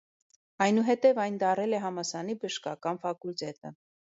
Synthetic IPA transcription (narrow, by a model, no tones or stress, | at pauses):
ɑjnuɦɛt̪ɛvɑjnd̪ɑɾɛlɛɦɑmɑsɑnibəʃkɑkɑnfɑkult̪ɛt̪ə